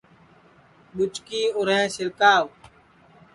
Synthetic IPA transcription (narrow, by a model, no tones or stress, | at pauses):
ɓʊt͡ʃkiːʊɾẽːsɪɾkaːʋ